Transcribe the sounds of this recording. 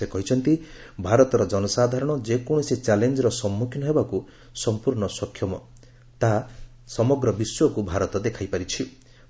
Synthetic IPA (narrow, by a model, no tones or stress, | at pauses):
ekɔɦit͡ʃʰɔnt̪i | bʱaɾɔt̪ɔɾɔd͡ʒɔnɔsad̪ʱaɾɔɽ̃ɔd͡ʒekoɽ̃isit͡ʃalend͡ʒɔɾɔsɔmːukʰinɔɦebaku | sɔmpuɾɳɔsɔkʰːjɔmɔ | t̪aɦ | sɔmɔɡɾɔbiswɔkubʱaɾɔt̪ɔd̪ekʰajpaɾit͡ʃʰi